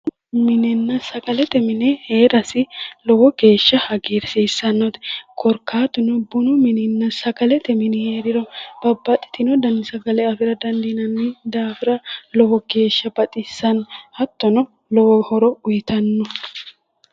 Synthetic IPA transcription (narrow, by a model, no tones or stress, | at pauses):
mɪnɛnːɐsɐkʼɐlɛt̪ɛmɪnɛheːɾɐsɪlɔwɔɡe̞ːʃːɐhɐɡiːɾsiːsːɐnːɔt̪ɛ̥kʰɔɾkʰːaːt̪ʊnɔbʊnʊmɪnɪnːɐsɐkʼɐlɛt̪ɛmɪnɪheːɾɪɾɔb̥ɐbːɐt̪ʼːɪ̥t̪ɪnɔd̪ɐnd̪ɪsɐkɐlɛɐfɪɾɐd̪ɐnd̪inɐnːid̪aːfɪɾɐlɔwɔɡe̞ːʃːɐbɐt̪ʼɪsːɐnhɐt̪ːɔnɔ | lɔwɔhɔɾɔʊjɪt̪ɐnːɔ